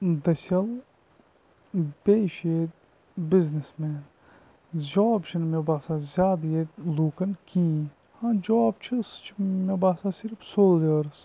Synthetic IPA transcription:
d̪ɐsʲɐl | beːʃeːd̪ | biznismɛːn | d͡ʒɔːbt͡ʃʰinmebaːsaːzʲjaːd̪jed̪luːkɐnkĩː | hãd͡ʒɔːbt͡ʃʰist͡ʃʰimebaːsasiɾfsoːleːɾs

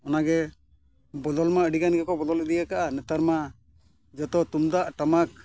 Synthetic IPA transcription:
ɔnaɡɛ | bɔd̪ɔlmaəɖiɡanɡɛkɔbɔd̪ɔləd̪iɡakaʔanɛt̪aɾma | d͡ʒɔt̪ɔt̪umd̪aʔʈamak̚

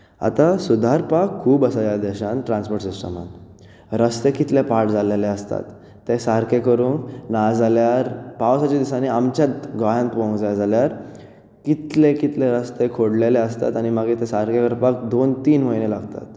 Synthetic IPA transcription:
a̰t̪asud̪ʱaɾpakʰːuːbəsaljad̪ɛɕãnʈɾãnspoɾʈsisʈə̰mã̰nt̪ | ɾəst̪ekit̪lepaʈd͡zʱaleleəst̪a̰t̪ː | esaɾkʰekəɾuːnnad͡zaljaɾpaʋsat͡ɕad̪isãniamt͡ɕat̪ɡajãnt̪ʋõŋɡd͡zajad͡zaljaɾ | kit̪lekit̪leɾəst̪ekʰoɽleleəst̪a̰t̪añiməɡet̪esaɾkekəɾpak̚d̪ont̪iːnməjnelaɡt̪a̰t̪

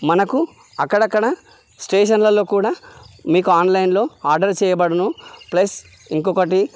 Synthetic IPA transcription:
mɐnɐku | ɐkːɐɽɐkːɐɽɐ | sʈeːʃɐnlɐlo̞ːkuːɽaːmiːkuaːnlɐjnlo̞ːaːɾɖɐɾt͡ʃɛːjɐbɐɽunuplɐs | iŋkɔkɐʈi

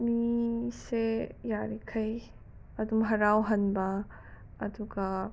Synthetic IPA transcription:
misejaɾikʰɐj | ɐd̪umɦɐɾawɦɐnba | ɐt̪uka

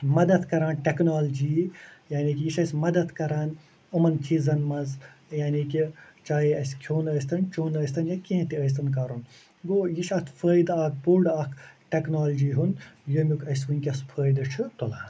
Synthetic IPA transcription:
mɐd̪ɐt̪kɐɾaːnʈʲeknaːld͡ʒiːjaːnikijiʃɐsʲmɐd̪ɐt̪kɐɾaːn | ɐmɐnt͡ʃʰiːzɐnmɐzjaːnikit͡ʃaːjiɐsʲkʰoːnəːs̬t̪ɐnt͡ʃoːnəːjst̪ʰɐnjɐkʲẽːt̪iəjs̬t̪ɐnk̬ɐɾun | ɡoːjiʃɐt̪ʰpʰəːjd̪aːk̚pulɖaːkʰʈʲeknaːld͡ʒiːɦunjəmʲjukɐs̬ʋunʲkʲɐspʰəːjd̪ɨt͡ʃʰɨt̪ula̰ːn

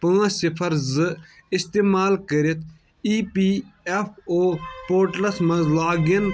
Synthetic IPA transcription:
pɐŋɐ̃sipʰɐɾzɨist̪eːmaːlkəɾit̪̚ʰ | iːpiːepʰoːpoːɾʈlɐsmɐzlaːɡɐn

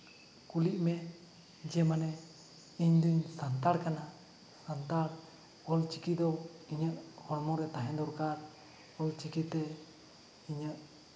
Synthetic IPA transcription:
kuliʔmɛʔ | d͡ʒɛmanɛ | iɲd̪uɲsant̪aɽkana | sant̪aɽ | ɔlt͡ʃikid̪ɔiɲəʔhɔɽmɔɾɛt̪aɦɛ̃d̪ɔɾkaɾ | ɔlt͡ʃikit̪ɛ | iɲəʔ

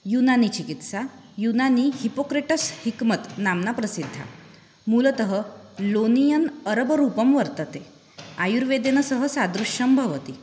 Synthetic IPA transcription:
junanit͡ɕikit̪sajunanihipokɾiʈəshikmət̪namnapɾəsid̪ʱːa̰ | mulət̪əɦə | lonijənəɾəbɾupəmʋəɾt̪ət̪e | ajuɾʋed̪enəsəɦəsad̪ɾuɕəmbʱəʋət̪i

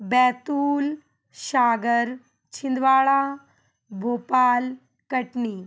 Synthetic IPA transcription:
bɛːt̪uːl | ʃaːɡəɾ | t͡ʃʰɪ̃nd̪ʋaːɭãː | bʱoːpaːl | kɐʈniː

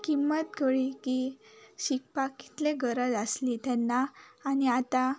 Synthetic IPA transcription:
kimːət̪kəɭikiɕikpaki̥t̪leɡəɾəd͡zəslit̪ɛnːaːñiat̪a

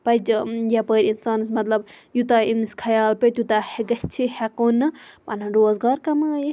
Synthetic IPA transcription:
pɐd͡ʒjapəːɾinsaːnɨsmɐt̪lɐbjut̪aimiskʰɐjaːlpet̪ʲut̪aheɡɐt͡ʃʰihekonɨpɐnɐɾoːzɡaːɾkɐmɨji

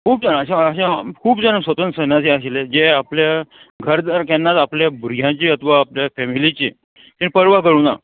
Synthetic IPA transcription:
kʰuːpd͡zənəɕãəɕãkʰuːpd͡zənəsʋət̪ənt̪sənãt͡seaɕiled͡ʑeapljaɡʱəɾd̪əɾkɛnːat̪apljabuɾɡʱjãt͡ɕeət̪ʰʋaːpljafɛmilit͡ɕḛ | t̪ĩnpəɾʋaɡəɽuːna̰

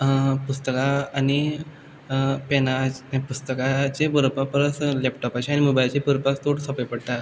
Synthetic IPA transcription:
pust̪əkaːni | penapust̪əkat͡ɕepəɾupapəɾət͡s̪lɛpʈɔpat͡ɕeanimobajt͡ɕepuɾpakt̪oɽsɔpepəɽt̪a

